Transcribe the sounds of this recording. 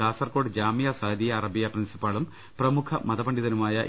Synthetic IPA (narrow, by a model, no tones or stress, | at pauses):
aːsɐrko̞ːɖɨd͡ʑaːmijasɐːɐd̪ijɐːrɐbijɐprinsi̥pːaːɭum | prɐmukʰɐmɐðɐbɐɳɖiðɐnumaːjɐʔ